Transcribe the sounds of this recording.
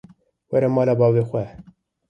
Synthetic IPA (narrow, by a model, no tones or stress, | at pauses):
wɛɾɛmɑːlɑbɑːvexʷɛ